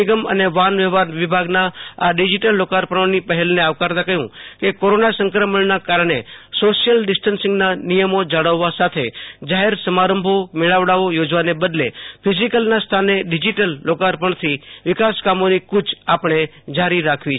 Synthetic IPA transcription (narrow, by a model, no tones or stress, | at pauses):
iɡəmə̰neʋanʋɛʋaɾʋɪbʱaɡnaaɖid͡ʒiʈəlːokaɾpəɳ̃onipəɦɛlneaʋkaɾt̪akəɦũkekoɾonasə̃ŋkɾəməɳnakaɾɳ̃esoʃijəlɖɪsʈənsɪ̃ŋɡnanijəmod͡ʒaɽəʋːasat̪ʰed͡ʒaɦeɾsəmaɾəmbʱomeɭaʋɽaʋojod͡ʒʋanebəd̪lepʰɪzikəlnast̪ʰaneɖɪd͡ʒiʈəlːokaɾpəɳt̪ʰiʋɪkaskamonikʊd͡ʒapɳ̃e | d͡ʒaɾiɾakʰʋit͡ʃ